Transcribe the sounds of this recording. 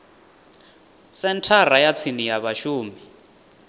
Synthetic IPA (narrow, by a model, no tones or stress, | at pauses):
sɛntʰarajat͡sʰinijaβaʃuːmi